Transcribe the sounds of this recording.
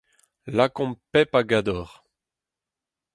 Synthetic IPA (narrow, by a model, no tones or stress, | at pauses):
lakɔ̃mpɛpaɡad̪ɔʁ